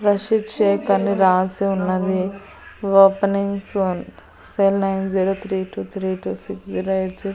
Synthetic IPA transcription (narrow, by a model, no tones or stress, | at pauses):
ɾɐʃiʈʃeːkɐnːiɾaːsiunːɐd̪i | ʋoːpɐniŋɡson | seːlnɐjnziːɽut̪ʰɾiːʈuːt̪ʰɾiːʈuːsiksziːɾɐjʈzi